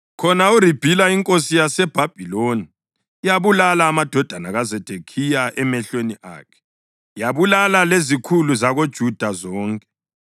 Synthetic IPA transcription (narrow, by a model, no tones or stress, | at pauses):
kʰɔnaurib̥ʱilaiŋkʼos̬ijasɛb̥ʱab̥ʱiloni | jaβulalaːmad̥ʱɔd̥ʱanaɣazɛd̥ʱekʰijaʔɛmɛɬeniʔa̰ːkʰɛ̥ | jaβulalalezikʰuluzaɣod̥ʒ̥ʱud̥ʱazɔːŋkʼɛ̥